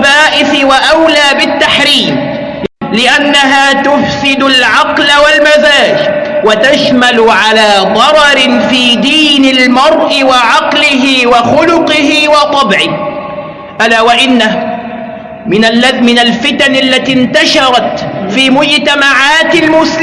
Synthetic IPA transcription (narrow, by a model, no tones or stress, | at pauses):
baːʔɪθɪwaʔawlaːbɪt̪ːaħɾiːm | lɪʔanːaɦaːt̪ʊfsɪd̪ʊlʕɑqlawalmazaːd͡ʒwat̪aʃmalʊʕalaːðˤɑɾˤɑɾɪfiːd̪iːnɪlmɑɾˤʔɪwɑʕɑqlɪɦɪwɑxʊlʊqɪɦɪwɑt̪ˤɑbʕɪh | ʔalaːwaʔɪnːa | mɪnːamɪnalfɪt̪anʔalːat̪iːnt̪aʃɑɾˤɑt̪fiːmʊd͡ʒt̪amaʕaːt̪ɪlmʊs